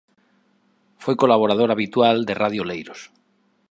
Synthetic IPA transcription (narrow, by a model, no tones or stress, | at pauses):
fwejko̞laβ̞o̞ɾað̞oɾaβ̞it̪wald̪e̞rʔaðjolejɾos